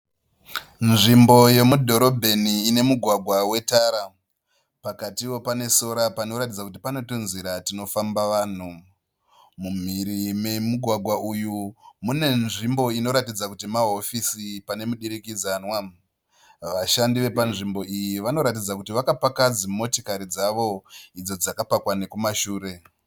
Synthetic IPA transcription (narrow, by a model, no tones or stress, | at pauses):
nʐimbo̞je̞mudʱo̞ɾo̞bʱe̞niːne̞muɡʱwaɡʱwawe̞taːɾa | pakatiwo̞pane̞soɾapano̞ɾatid͡zakut̬ipano̞tonziɾatino̞fambaʋaːn̤u | mum̤iɾime̞muɡʱwaɡʱwaʔujumune̞nʐimbo̞ino̞ɾatid͡zakutimaɦo̞fisipane̞muɗiɾikid͡zanwa | ʋaʃandiʋe̞panʐimbo̞ijiʋano̞ɾatid͡zakutiʋakapakad͡zimo̞tikaɾid͡zaʋo̞id͡zo̞d͡zakapakwane̞kumaʃuːɾe̞